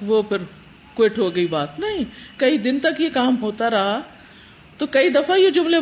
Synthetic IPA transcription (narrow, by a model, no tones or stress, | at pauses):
ʋoːpʰɪɾ | kwɪʈɦoːɡɐibaːt̪nɐɦĩkɐid̪ɪnt̪ɐkjekaːmɦoːt̪aɾɐɦa | t̪oːkɐid̪ɐfajed͡ʒʊmle